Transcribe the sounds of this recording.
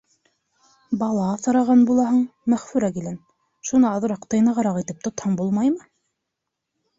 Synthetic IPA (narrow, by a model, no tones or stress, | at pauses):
bɑlˠɑθɤ̆ɾɑʁɑnbulˠɑɦɤɴmæχfʉɾækilæn | ʃunɤɑðɤ̆ɾɑqt̪ɑjnɑʁɑɾɑqit̪ɘp̚t̪ŏt̪hɤɴbulˠmɑjmɤ